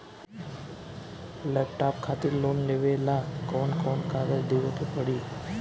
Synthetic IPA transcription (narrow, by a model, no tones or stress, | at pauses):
lɛpʈapkʰat̪iɾlonleʋelakɔɳkɔɳkaɡəd͡ʑd̪iʋet̪ʰepəɽi